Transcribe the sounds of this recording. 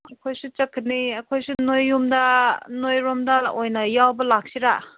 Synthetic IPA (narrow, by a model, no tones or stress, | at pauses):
ɐkʰojsut͡ʃɐkʰːiniɐkʰojsunojːumdɐnojɾomdɐojnɐjawbɐlak̚siɾa